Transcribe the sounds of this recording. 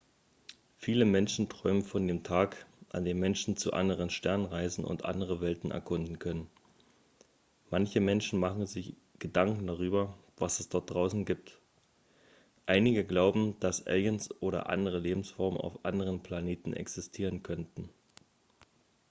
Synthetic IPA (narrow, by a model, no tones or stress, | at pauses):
fiːləmɛnʃn̩tʁ̥ɔʏmənfɔndeːmtʰaːkʔa̰ndeːmːɛnʃn̩t͡sṵʔa̰ndəʁənʃtɛɐnənʁaɪzn̩ʔʊ̰ntʔa̰ndəʁəvɛltn̩ɛ̰ɐkʰʊndn̩kʰœnən | mançəmɛnʃn̩maχn̩zɪç | ɡ̥ədaŋkŋ̩daʁ̞yːbɐ | vasɛsd̥ɔɐt̚d̥ʁaʊsn̩ɡiːp̚t | ʔaɪnɪɡəɡlaʊbm̩d̥asʔɛ̰ljənsʔoːɾɐ̰ʔa̰ndəʁəleːbm̩sfɔɐmna̰ʊfʔa̰ndəʁ̞ənpʰl̥aneːtn̩ʔɛ̰ksɪstʰiːʁ̞ənkʰœntn̩